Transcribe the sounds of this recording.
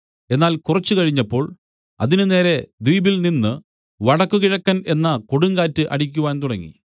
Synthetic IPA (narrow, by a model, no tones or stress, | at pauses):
e̞nːaːlkurɐt͡ɕːukɐɻiɲːɐpːo̞ːɭ | ɐ̰ðinɨne̞ːɾe̞d̪ijbilninːɨ | ʋɐɽɐkːukiɻɐkːɐne̞nːɐkoɽuŋɡaːtːɨʔɐ̰ɽikʲːuʋaːnt̪uɽɐŋːḭ